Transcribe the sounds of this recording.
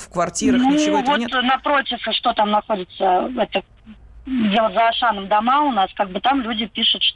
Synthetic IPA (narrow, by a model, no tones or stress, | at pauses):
fkvɐrtʲiɾənuvo̞t̪nɐpɾo̞tʲɪfʂt̪o̞t̪amnɐxo̞dʲɪt̪səɛt̪ə | dʲe̞lˠətʲzəɐʂanəmd̪ɐmaʊnaskaɡ̚bɨt̪amlʲudʲɪpʲiʂʊt̪ʂ